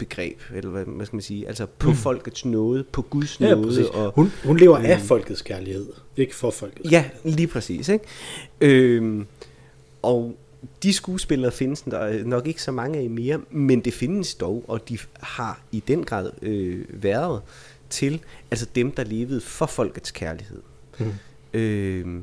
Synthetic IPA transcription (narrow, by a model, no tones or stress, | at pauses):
b̥e̝ɡ̥ʁɛ̰ːb̥elɐʋæskʰæmænsiːʔæl̰səpʰɒ̽fɒ̽l̰ɡ̥ð̩ˠsnɔ̽ːð̞ˠəpʰɒ̽ɡ̥uðˠsnɔːðˠəʔɒ̽hunhunle̝ːʊɐʔæfɒ̽l̰ɡ̥ð̩ˠskʰæɐlihe̝ð̰ˠe̝ɡ̥əfɒfɒl̰ɡ̥ð̩ˠjæliːpʰʁɛsḭːseɡ̥ø | ʔɒ̽ʊ | d̥isɡ̥uːsb̥e̝l̰ɐːfe̝nəsnɒ̽ɡ̥e̝ɡ̥sɒ̽mɑ̈ŋəæ̥ime̝ːɐmend̥e̝fe̝nəsd̥ɒʊʔɒ̽d̥ihɑ̈id̥enɡ̥ʁɑ̰̈ːð̰ˠøʋæɐðˠ | t͡sʰe̝læls̬ɒd̥emd̥ɑ̈le̝ːʋəð̞̩ˠfɒ̽fɒ̽l̰ɡ̥ð̩ˠskʰæɐlihe̝ð̰ˠ | ø